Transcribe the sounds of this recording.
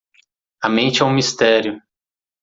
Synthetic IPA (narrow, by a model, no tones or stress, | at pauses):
ɐmẽnt͡ʃɪɛũmist̪ɛɾjʊ